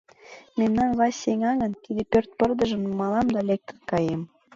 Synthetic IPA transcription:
memnɑnβɑsʲeŋɑɣə̆nt̪id̪epørt̪̚pərd̪ə̆ʒə̆mnumɑlɑmd̪ɑlek̚t̪ə̥nkɑjem

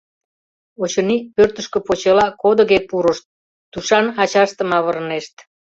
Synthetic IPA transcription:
ot͡ɕə̆nipørt̪əʃkø̆pot͡ɕelɑkod̪ə̆ɣepuɾəʃt̪̚ː | uʃɑnɑt͡ɕɑʃt̪ə̆mɑβəɾneʃt̪

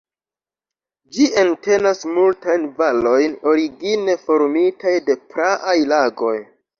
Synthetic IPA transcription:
d͡ʒiente̞nasmultajnvalo̞jno̞ɾiɡine̞fo̞ɾmitajde̞pɾaʔajlaɡo̞j

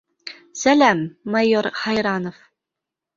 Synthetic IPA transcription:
sælæmːɑjoɾχɑjɾɑnof

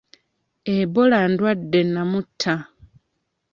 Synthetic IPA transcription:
eβolandwadːenamutʰːa

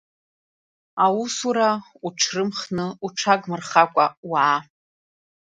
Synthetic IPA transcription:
awusuɾauʈ͡ʂʰrɨmχnɨuʈ͡ʂʰakʼmɨrχakʷʼawa

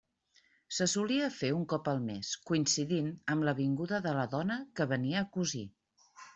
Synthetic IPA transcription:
səsuliəfeuŋkɔpəlˠmeskuinsiðinəmləβiŋɡuðəðələðɔnəkəβəniəːkuzḭ

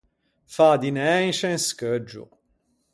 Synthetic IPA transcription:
fad̪inɛĩʃɛnskəd͡ʒːṵ

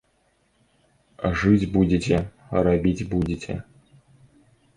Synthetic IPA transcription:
ʐɨtʲbudʲetʲɛ | rabʲitʲbudʲɪtʲʰɛ̰

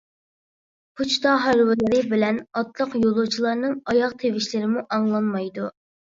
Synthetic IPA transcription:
pʰut͡ʃʰt̪ɑɦæɾwɪlɪɾɪbɪlɛnɑt̪lˠəqjolˠut͡ʃʰilˠɑɾnɨŋɑjɑqt̪ʰevɪʃlɪɾɪmuʔɑŋlˠɑnmɑjd̪u

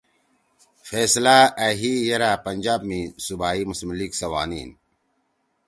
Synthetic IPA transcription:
feːslaːɐɦiːjɐɾaːpɐnʲd͡ʑaːbmĩːsubʱaːiːmusmliːɡsɐwa̰ːnḭːn

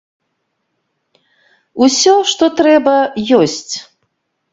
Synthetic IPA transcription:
usʲɔʂt̪ɔt̪ɾɛbɐjɔsʲt͡sʲ

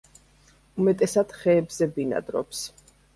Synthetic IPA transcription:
umɛt̪ʼɛsad̪̥χɛːbzɛbina̰d̪ɾɔ̰ps

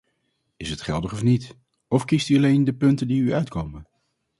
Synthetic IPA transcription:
ɪsɦətχɛlˠdəχɔfnit | ɔfkistyɑlejndəpɵntəndiyœɥtkowmən

